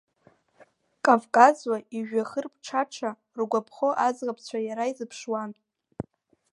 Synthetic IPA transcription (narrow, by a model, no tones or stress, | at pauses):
kʼavkʼazwaiʒᶣaχərpʰʼʈ͡ʂʰaʈ͡ʂʰa | rɡʷapʰχoʔazʁapʰt͡sʷʰajaɾaizɨpʰʂwan